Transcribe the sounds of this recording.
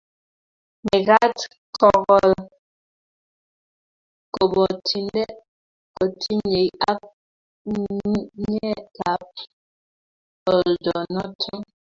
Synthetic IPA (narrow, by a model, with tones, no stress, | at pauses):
mɛ˨ɣa˦t | kʰɔ˨ɣɔ˨l | kɔ˨bɔ˨tʰi˨ndɛ˦ | kɔ˨tʰi˦ɲe˨ja˦k̚ | ɲɛ˦ka˨˦p̚ | ɔ˨ldɔ˨nɔ˦tʰɔ˦ŋ